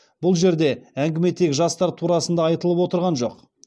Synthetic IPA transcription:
bʊlˠʒe̞ɾd̪e̞æŋɡʲɪme̞t̪ʰekʒɑst̪ɑɾt̪ʰuɾɑsənd̪ɑɑjt̪əlˠəpwo̞t̪əɾʁɑnʒo̞̰q

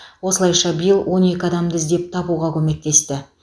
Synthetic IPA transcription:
wo̞səlˠɑjʃɑbijlˠwʔo̞ne̞kʲɪɑd̪ɑmd̪ɪzd̪e̞p̚t̪ʰɑbuʁɑkʲʰɵme̞k̚t̪e̞st̪ɪ

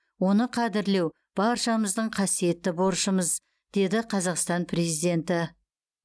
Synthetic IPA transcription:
wo̞nəqʰɑd̪ɪɾle̞w | b̥ɑɾʃɑməzd̪əɴqʰɑsije̞t̪ːɪbo̞ɾʃəməz | d̪̥e̞d̪ɪqʰɑzɑqst̪ɑnpʰre̞zijd̪ʲe̞nt̪ɪ

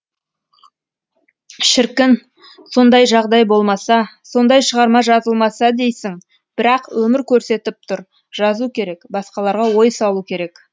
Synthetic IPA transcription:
ʃɪɾkʲɪn | so̞nd̪ɑjʒɑʁd̪ɑjbo̞lˠmɑsɑso̞nd̪ɑjʃəʁɑɾmɑʒɑzəlˠmɑsɑd̪e̞jsɪŋ | b̥ɪɾɑqwɵmɪɾkʲʰɵɾse̞t̪ɪp̚t̪ʰʊɾ | ʒ̥ɑzukʲʰe̞ɾe̞kbɑsqɑlˠɑɾʁɑwo̞jsɑlˠukʲʰe̞ɾe̞k

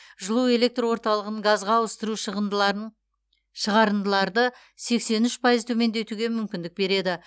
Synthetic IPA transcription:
ʒəlˠue̞lʲe̞k̚t̪rwo̞ɾt̪ɑlˠəʁəɴɡazʁɑwəst̪əɾu | ʃəʁɑɾənd̪əlˠɑɾd̪ə | se̞kse̞nʏʃpʰajəzt̪ʰɵme̞nd̪e̞t̪uɡʲemʏmkʲɪnd̪ɪk̚be̞ɾe̞d̪ɪ

